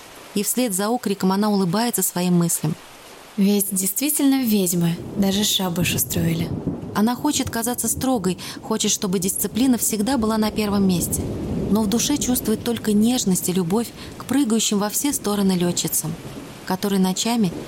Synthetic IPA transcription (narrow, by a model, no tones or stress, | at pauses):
ifsʲlʲe̞d̪zɐo̞kɾʲɪkəmɐn̪aʊlˠɨbajɪt̪səsvɐimːɨsʲlʲɪm | vʲetʲdʲɪjst̪vʲitʲɪlʲnəvʲedʲmɨd̪aʐɨʂabɨʂɨst̪ɾoɪlʲɪɐnaxo̞t͡ɕɪt̪ɐkɐzat̪səst̪ɾo̞ɡəj | xo̞t͡ɕɪt̪ʂt̪o̞bɨdʲɪst̪sɨplʲinəfsʲɪɡd̪abɨlˠanɐpʲe̞rvəmːʲesʲtʲɪno̞vd̪ʊʂɛt͡ɕust̪vʊjɪt̪ːo̞lʲkənʲe̞ʐnəsʲtʲɪlʲʊbo̞fʲ | kpɾɨɡəjʉɕːɪmvɐfsʲest̪o̞ɾənɨlʲot͡ɕːɪt̪səm | kɐt̪o̞ɾɨjnɐt͡ɕamʲɪ